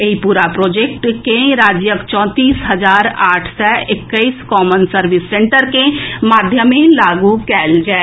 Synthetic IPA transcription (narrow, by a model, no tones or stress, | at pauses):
eipuːɾapɾoːd͡ʒeːk̚ʈkeɾaːd͡ʒjəkt͡ʃɔ̃ːt̪iːsɦɐzaːɾaːʈʰsɔɪkːəiskɔːmənsəɾʋɪsːẽɳʈəɾkemaːd̪ʱjəmẽlaːɡukɛːld͡ʒae